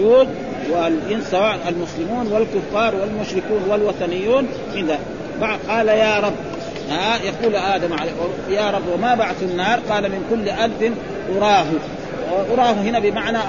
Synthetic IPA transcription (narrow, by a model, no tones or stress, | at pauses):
uːd̪̚ | walʔɪnsˤɑwaːʔalmʊslɪmuːnwalkʊfːɑːɾˤwalmʊʃɾɪkuːnwalwat̪ˤɑnɪjːuːn | ʔɪnd̪a | baqɑːlajaːɾˤɑbː | hajaquːlaʔaːd̪amʕal | jaːɾˤɑbːwɪmabaʕd̪inːɑːɾˤqɑːlamɪnkʊlːʔalfɪn | ʔʊɾˤɑːɦu | ʔʊɾˤɑːhuɦɪnabɪmaʕna